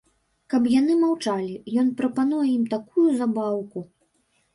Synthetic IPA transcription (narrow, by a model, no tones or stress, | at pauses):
kɐpjanɨmawt͡ʂalʲijɔnpɾɐpanujɛimt̪akujuzabawku